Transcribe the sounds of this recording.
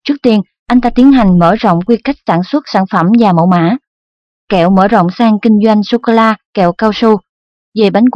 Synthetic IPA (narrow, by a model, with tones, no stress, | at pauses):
t͡ɕɨ˦˥k̚t̪i˧ən | ʔa˧jŋ̟t̪aː˧t̪i˨˦ənɦa˨˩jŋ̟məː˧˩zɔ̰˧˨wŋ͡mkwi˧ka˦˥jk̚saː˧˩nswə˦˥t̚saː˧˩nfə˧˩mzaː˨˩mə̰˧˩˨wmaː˧˥ | kɛ̰˧˩˨wməː˧˩zɔ̰˧˨wŋ͡msaː˧ŋkï˧ŋ̟zwa˧jŋ̟so˧ko˧laː˧kɛ̰˧˨wkaː˧wsu˧ | ve˨˩ɓa˨˦ŋ̟k